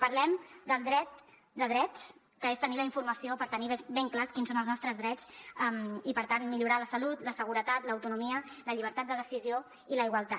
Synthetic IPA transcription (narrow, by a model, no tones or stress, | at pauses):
pəɾlɛmd̪əlˠd̪ɾɛt̪̚ | d̪əðɾɛt̪s | kəest̪əniləiɱfuɾməsiopəɾt̪əniβbeŋklaskinsonəlˠznɔst̪ɾəzðɾɛt͡səmipəɾt̪anmiʎuɾaləsəlut̪ləsəɣ̞uɾət̪at̪ləːwt̪unumiələʎiβ̞əɾt̪at̪̚d̪əðəsizio | iləiɣwalˠt̪a